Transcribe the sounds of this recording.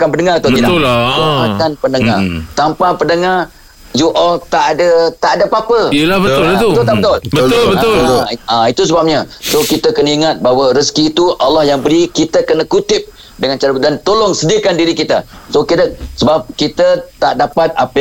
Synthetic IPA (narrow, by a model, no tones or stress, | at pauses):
akanbəndəŋat̪oəidaamakanpəndəŋa̰rt̪ampapəndəŋar | juʔɔlt̪aʔadət̪aʔadəpapəlabət̪t̪ut̪aʔbət̪ʊlbəʊbəʊlait̪us̬əbap̚ɲasokit̪əkənəiŋat̪̚baɦwaɾəskiːt̪uʔalːahjaŋbəɾikit̪əkənakut̪ɪp̚ | dəŋant͡ʃaɾədant̪olʊŋsədiəkandiɾikit̪a | sokit̪əsəbap̚kit̪ət̪aʔdapat̪̚apə